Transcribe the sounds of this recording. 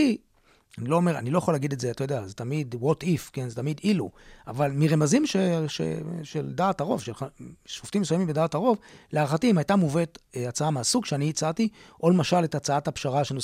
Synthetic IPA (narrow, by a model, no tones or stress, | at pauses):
i | anilo̞ːme̞ʁa̰nilo̞jaχolːaɡid̪etzeatojodeazetamidwotifkenzetamid̪iluavalmiʁemazimʃeʃḛʃeldaːtaʁo̞vʃelaʃoft̪imesujamimbedaːtaʁo̞vleaʁχatiimhajtamuvetat͡saamasukʃeaniit͡satiʔolemaʃaletat͡saathapʃaʁaʃeno